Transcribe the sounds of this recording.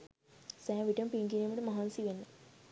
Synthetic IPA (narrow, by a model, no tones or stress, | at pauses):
sɛ̃ːʋiʈəmpiŋɡinimɐʈəmaɦansiʋenːə